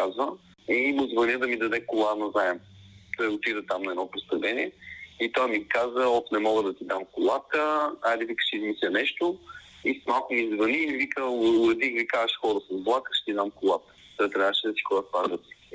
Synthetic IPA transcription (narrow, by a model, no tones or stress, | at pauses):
azvə | imʊzvɐnəd̪ɐmid̪ɐd̪ɛkʊlˠanɐzaɛmt̪ɔot̪id̪ət̪amnɐɛd̪ɔpost̪ɐvlɛniɛit̪ɔjmikazəɔfnɛmɔɡəd̪ɐt̪id̪amkʊlˠat̪əad̪ivikə̥ʃizmisʲlʲənɛʃt̪o | ismalˠkʊmizvɐnivikəlˠɐd̪ixvikaɐʃxɔɾəsɐzblˠakə̥ʃɛ̥t̪id̪amkʊlˠat̪ə̥t̪ɛt̪ɾʲaʃɛd̪ɐsi̥kolˠat̪vad̪ət̪i̥